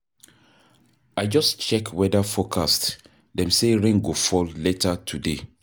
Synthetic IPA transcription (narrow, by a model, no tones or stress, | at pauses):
aɪd͡ʒɔst͡ʃɛkʰwɛdafokʰast | dɛ̃mseɹẽŋɡofɔlletʰatʰude